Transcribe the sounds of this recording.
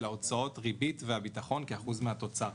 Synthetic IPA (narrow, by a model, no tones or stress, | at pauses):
leot͡sao̞tʁibitveabitaχo̞nkeaχuzmeɦat̪o̞t͡sa